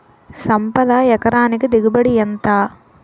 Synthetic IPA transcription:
sɐmpɐd̪aːjɐkɐɾaːniɡed̪iɡɐbɐɽijɐnt̪aː

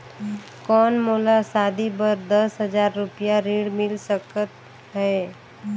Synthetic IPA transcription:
kɔːnmoːlasaːd̪ʱibəɾd̪əsɦəd͡ʒaːɾːʊpijaɾiːɽmɪlsəkət̪ | ɦɛː

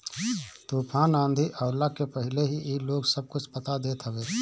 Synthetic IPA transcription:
t̪uːpʰaːnãːnd̪ʱiʔəʊɾlakepəɦɪleɦiʔiloːɡsəb̚kʊt͡ʃʰpət̪ad̪eːt̪ɦəʋeː

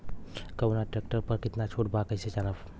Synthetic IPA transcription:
kɐwnaʈɾek̚ʈəɾpəɾkɪt̪nat͡ʃʰoːʈ̚bakəjset͡ʃanəp

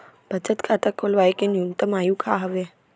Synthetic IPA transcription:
b̥əd͡ʒət̪kʰat̪akʰolʋajkenjunt̪əmajũkʰaɦəʋe

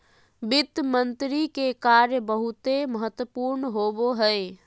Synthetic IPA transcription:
bɪt̪mənt̪ɾikekaɾjəbəɦut̪eməɦət̪wəpuɾnɦoboɦəe

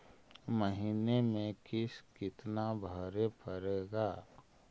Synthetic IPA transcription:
məɦinemẽkɪskɪt̪nabʱəɾepʰəɾeːɡaː

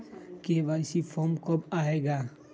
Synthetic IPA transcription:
keʋaːsifʰɔmkɔbaːeːɡaː

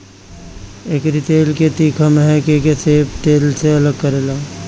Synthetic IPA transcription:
eːkɾit̪eːlket̪iːkʰəmɦɛ̃kekeseːpt̪eːlseɐləɡ̚kəɾeːlaː

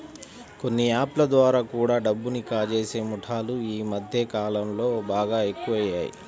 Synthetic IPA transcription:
ko̞nːiaːplɐd̪ʋaːɾaːkuːɽaːɖɐbːunikaːd͡ʒe̞ːse̞ːmuʈʰaːluiːmɐd̪ʱjekaːlɐmlo̞ːbaːɡaːe̞kːuʋɐja̰ːjḭ

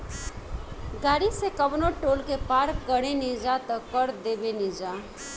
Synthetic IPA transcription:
ɡaːɽisekəbnoʈoːlkepaːɾkɡəɽ̃enid͡ʒat̪əkəɾd̪eːbenid͡ʒa

